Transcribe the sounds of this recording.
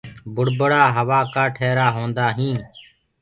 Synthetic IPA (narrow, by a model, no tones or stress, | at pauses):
bʊɽbəɽaːɦəʋaːkaːʈʰeːɾaːɦõːnd̪aːɦĩː